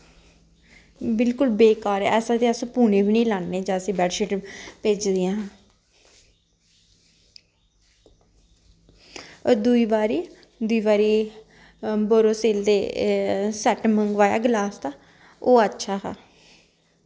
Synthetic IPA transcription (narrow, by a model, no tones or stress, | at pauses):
bɪlkʊlbeːkaːɾɛ̰ɛːsãːt̪eːəsõpuːneːbiːniːlãːnːeːd͡ʒãːəsĩːbɛːʈʃeʈpeːd͡ʒd̪ijãː | d̪uiːʋaːɾiː | d̪ʊiːbaːɾiː | boːɾoːseːld̪eː | sɛːʈməŋɡʋaːja̰ːɡlaːst̪aː | oːətːʃʰaːɦa̰ː